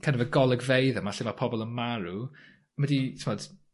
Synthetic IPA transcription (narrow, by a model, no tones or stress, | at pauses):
kʰanəvəɡɔlˠəɡvejðəmaɬɪmapʰɔbɔlˠənmaɾu | mɛditʰɪmɔd̥